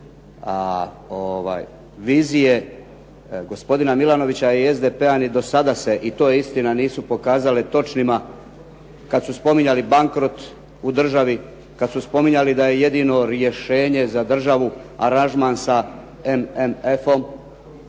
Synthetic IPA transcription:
a | oʋa̰ːj | ʋiːzije̞ | ɡo̞spo̞d̪inamilˠano̞ʋit͡ɕaie̞zd̪epeanid̪o̞sad̪ase̞ʔit̪o̞ːjeist̪inaniːsupo̞kaːzalet̪o̞t͡ʃnima | kad̪suspo̞miɲalibaŋkɾo̞t̪ | ud̪r̩ʒaʋi | kad̪suspo̞miɲalid̪aje̞je̞d̪ino̞ɾje̞ʃe̞ːɲe̞zad̪r̩ʒaʋuaɾanʒmansa | ememefo̞m

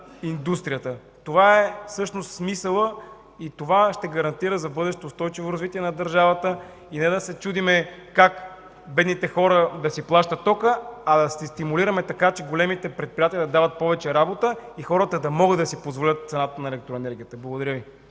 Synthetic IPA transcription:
ind̪ust̪ɾijət̪ə | t̪ovaɛsɤʃnost̪smisəlˠə | it̪ovaʃt̪ɛɡɐɾɐnt̪iɾəzɐbɤd̪ɛʃt̪oːst̪ɔjt͡ʃivoɾɐzvit̪iɛnɐd̪ɐɾʒavət̪ə | inɛd̪ɐsɛt͡ʃud̪imɛkak | bɛd̪nit̪ɛxɔɾəd̪ɐsiplˠaʃt̪ət̪ːɔkəɐd̪ɐsist̪imuliɾəmɛt̪ɐkat͡ʃɛɡolɛmit̪ɛpɾɛt̪̚pɾijat̪ijəd̪ɐd̪avət̪̚pɔvɛt͡ʃɛɾabot̪əixɔɾət̪əd̪ɐmɔɡəd̪ɐsipozvolʲət̪̚t̪sɛnat̪ənɐɛlɛk̚t̪ɾoɛnɛɾɡʲijət̪əblˠɡʊd̪ɐɾʲjɤvi

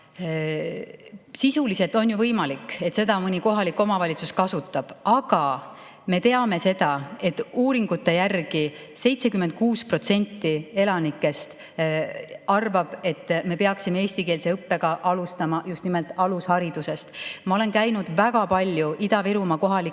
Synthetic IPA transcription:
sisulise̞lt̪ˑo̞njuvɤjmɑlikːe̞t̪se̞d̪ɑmɯnʲiko̞ɦɑlikːˑo̞mɑvɑlʲit̪suskɑsut̪ːˑɑb̥ɑɡ̥ɑ | me̞t̪e̞ɑme̞se̞d̪̥ɑe̞t̪ːuːɾiŋɡ̥ut̪ːe̞jærɡ̥i | se̞jt̪se̞kymːent̪̚kuːspro̞t̪se̞nʲt̪ːie̞lɑnikːˑe̞st̪ | ɑrvɑb̥e̞t̪ːme̞pe̞ɑksimeeːsʲt̪ike̞ːlse̞ɤpːe̞ɡ̥ɑʔɑlust̪ɑmɑjust̪nimelt̪ˑɑlushɑɾid̪̥use̞st̪mɑo̞le̞nkæjnud̪væɡɑpɑlʲjuʔid̪̥ɑviɾumɑko̞ɦɑli

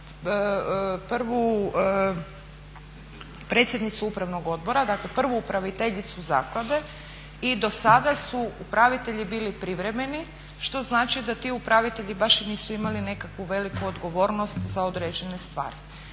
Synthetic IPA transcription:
pr̩ʋu | pɾet̪sʲje̞d̪nit̪suupɾaʋno̞ɡo̞d̪̚bo̞ɾad̪akle̞pr̩ʋuːpɾaʋit̪eʎit̪suza̰ːklˠad̪e̞ | id̪o̞sad̪asuupɾaʋit̪e̞ʎibiːlipɾiʋɾe̞me̞ni | ʃt̪o̞znaːt͡ʃid̪at̪iːupɾaʋit̪eʎibaʃiniːsuimaline̞kakʋuʋe̞likuod̪ɡo̞ʋo̞ːɾno̞st̪zaod̪ɾeːd͡ʑe̞ne̞st̪ʋa̰ːɾi

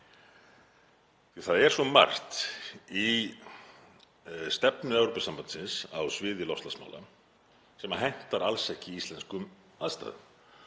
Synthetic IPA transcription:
θθaðɛɾ̥svɔma̰r̥t̪i | st̪ɛpnʏɛvɾopasampan̥sɪnsawsvɪːðjɪlɔst̪lasma̰wla̰ | sɛmaɦajn̥t̪aɾalsɛhcɪist̪lɛnskʏm | aðst̪a̰ːðʏ̰m

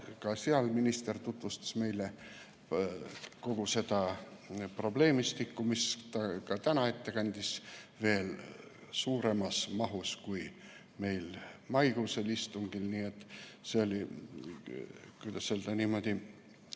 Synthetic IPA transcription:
kɑseɑlminist̪e̞rt̪ut̪vust̪ɑ̥sme̞jle | ko̞ɡ̥use̞d̪̥ɑ | pro̞ble̞ːmist̪ikːumist̪ɑkɑt̪ænɑe̞t̪ːe̞kɑnʲd̪̥isve̞ːl | suːɾe̞mɑsmɑɦuskuj | me̞jlmɑjɡ̥uselist̪uŋɡ̥ilniːet̪ːˑseolʲi | kujd̪ɑsːeld̪̥ɑniːmo̞d̪̥i

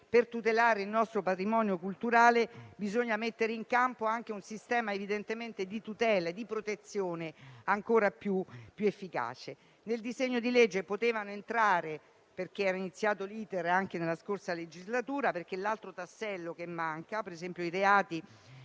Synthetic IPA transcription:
pert̪ut̪elaːɾeilnɔst̪ɾopat̪ɾimɔːnjokult̪uɾaːlebizoɲːamet̪ːeɾeiŋkampoaŋk̟eunsist̪ɛːmaevid̪ent̪ement̪ed̪it̪ut̪ɛːlad̪ipɾot̪et̪sːjoːneaŋkoːɾapjupːjuefːika̰ːt͡ʃe | neld̪izeɲːod̪iled͡ʒːepot̪eːvanoent̪ɾaːɾe | perk̟eɛːɾainit̪sːjaːt̪oliːt̪eɾaŋk̟enelːaskorsaled͡ʒizlat̪uːɾaperk̟elːalt̪ɾot̪asːɛlːok̟emːaŋkapeɾezɛmpjoiɾeaːt̪i

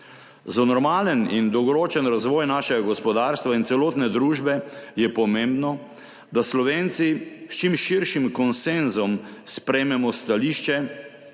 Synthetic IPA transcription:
zanɔɾmaːlənind̪ɔwɡɔɾoːt͡ʃɛnɾazʋɔːjnaːʃɛɡaɡɔspɔd̪aːɾst̪ʋaint̪sɛloːt̪nɛd̪ɾuːʒbɛjɛpɔmẽmbnɔ | d̪aslɔʋent̪sist͡ʃimʃiɾʃimkɔnsenzɔmspɾɛjmɛmɔst̪aliʃt͡ʃɛ

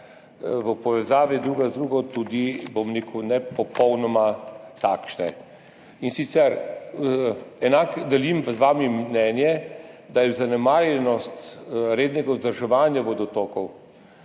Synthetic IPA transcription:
ʋəpɔʋɛzaːʋid̪ɾuːɡazd̪ɾuːɡɔt̪ud̪ibomnikʰunɛpɔpɔwnɔmat̪aːkʃnɛ | insit̪sɛɾ | ɛnakd̪ɛlimzʋaːmimnɛnjɛd̪ajɛwzanɛmaːɾjɛnɔst̪ɾeːd̪nɛɡazd̪əɾʒɛʋaːnjaʋod̪ɔt̪oːkɔw

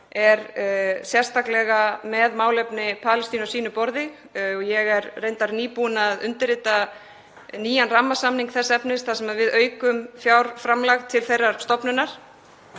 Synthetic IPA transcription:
ɛɾsjɛ̥st̪ʰaklɛɣamɛðmaːwlɛpnɪpʰaːlɪst̪iːnɔsiːnʏpɔɾðɪ | ɔjɛɣɛɾrejnt̪aɾniːpunaðʏnt̪ɪɾɪt̪a | niːjanramːasamniŋkθɛsːɛpnɪst̪θasɛmaðvɪðœːɥkʏmfjawɾ̥fɾamlaxt̪ʰːɪlθejrːaɾ̥st̪ɔpnʏnaɾ̥

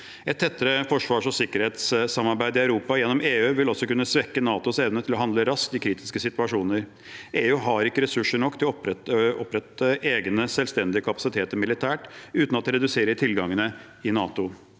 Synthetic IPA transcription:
ɛt̪ʰːɛt̪ːəɾəfɔʂʋɑːʂɔsɪkːəɾheːt̪ssɑmːɑɾbæɪd̪ɪɑʉɾuːpɑjɛnːɔmeːʉːʋɪlɔsɔkʉnːəsʋɛkːənɑːt̪ʊsɛʋnət̪ʰɪlɔhɑnd̪ləɾɑskd̪ɪkʰɾiːt̪ɪ̥skəsɪt̪ʉɑʂuːnəɾ | eːʉːɦɑɾɪkːəɾɛsʉʂəɳɔkːt̪ʰɪlɔpɾɛt̪ːəʔeːɡnəsɛlst̪ɛnd̪ɪəkʰɑpɑ̥sɪt̪ʰeːt̪əɾmɪlɪt̪ʰæːʈʉːt̪nɑt̪ːɾɛd̪ʉseːɾət̪ʰɪlɡɑŋːənə | ɪnɑːt̪ʊ

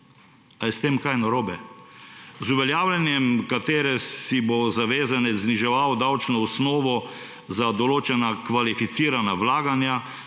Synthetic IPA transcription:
alɛst̪eːmkajnaɾoːbɛ | zuʋɛljaːwlʲanjɛmkat̪eːɾɛsibozaʋeːzanɛzniʒɛʋawd̪awt͡ʃnɔɔsnɔːʋɔ | zad̪ɔloːt͡ʃɛnakʋalifit̪siːɾanaʋlaːɡanja

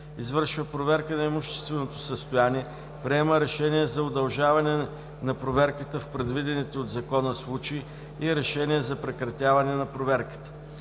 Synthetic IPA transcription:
izvɤɾʃvəpɾovɛɾkənɐɛmuʃt̪ɛ̥st̪vɛnot̪osəst̪ojaniɛ | pɾiɛməɾɛʃɛniɛzɐod̪ɐlˠʒavɐnɛ | nɐpɾovɛɾkət̪əfpɾɛd̪vid̪ɛnit̪ɛod̪zɐkɔnəslˠut͡ʃi | iɾɛʃɛniɛzɐpɾɛkɾɐt̪ʲjavɐnɛnɐpɾovɛɾkə̥t̪ə̥

